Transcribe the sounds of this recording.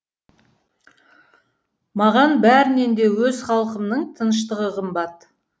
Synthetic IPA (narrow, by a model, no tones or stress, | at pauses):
mɑʁɑnbæɾɪne̞nd̪e̞wɵzχɑlˠəqəmnəɴt̪ʰənəʃ̬t̪əʁəqʰəmbɑt̪